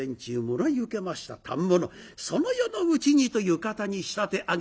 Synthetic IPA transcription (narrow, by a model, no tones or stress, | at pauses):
ẽɲ̟t͡ɕɨːmoɾoɲiɯ̟ke̞maɕi̥t̪a̰t̪ʰã̰mːonoso̞no̞jo̞no̞ɯ̟t͡ɕiɲ̟it̪o̞jɯ̟ːkat̪aɲ̟iɕi̥t̪at̪e̞ʔaɡ